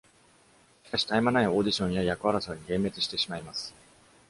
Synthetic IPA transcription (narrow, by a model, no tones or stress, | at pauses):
ɕi̥kaɕi̥t̪aemanaio̞ːd̪ʲiɕõ̞ɰ̃jajakɯ̟βaɾasoːɲ̟iɡẽ̞mːe̞t͡sɨ̥ɕi̥t̪e̞ɕimaimasɨ̥